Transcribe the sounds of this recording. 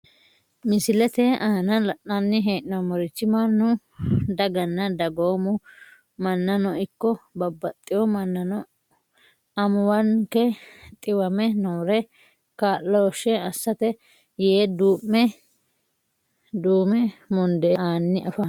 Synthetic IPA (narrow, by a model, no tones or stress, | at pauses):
mɪsɪlɛt̪ɛʔaːnɐlɐʔanːɪɦeːʔnɐamɔɾɪt͡ʃːɪmanːʊ | d̪ɐɡɐnːɐd̪ɐɡoːmʊ | mɐnːɐnɔɪkːɔbɐbːɐt̪ʼːɪjɔmɐnːɐnɔ | ɐmʊwɐnkɛt̪ʼɪwɐmɛnoːɾɛ | kaːlːɔʃɛɐsːɐt̪ɛ | jeːd̪uːmːɛ | d̪uːmɛmɔnd̪ɛaːnːɪʔɐfa